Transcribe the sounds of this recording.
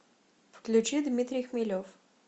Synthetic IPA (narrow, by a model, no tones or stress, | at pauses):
fklʲut͡ɕid̪mʲit̪ɾʲijxmʲilʲof